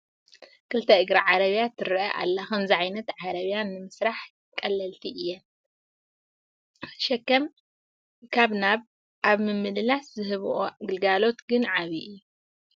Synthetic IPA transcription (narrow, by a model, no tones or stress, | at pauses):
kʰɨlt̪ʰɐɨɡɾaʕaɾɐβjat̪ʰɨɾʔɐʔa̰lːaxɐmziʕajnɐt̪ʕaɾɐβjanːɨmɨsɾaħ | kʼɐlːɐlt̪ʰiʔɨjːɛn | ʃɛkːɐm | kʰaβnaβ | ʔaβmɨmːɨlɨlaszɨhɨβʔoɡɨlɡalo̞t̪ɡɨnʕaβiʔɨjːu